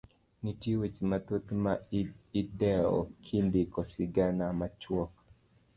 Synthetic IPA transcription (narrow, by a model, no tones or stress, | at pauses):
nitjewet͡ʃmat̪ot̪maidɛɔ̰kʰindikɔsɪɡanamat͡ʃwɔk